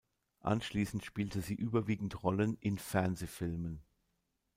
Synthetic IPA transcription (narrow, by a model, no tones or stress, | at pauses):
ʔa̰nʃliːsn̩tʃpiːltəziːʔyːbɐviːɡŋ̩tʁɔlənʔɪnfɛɐnzeːfɪlmən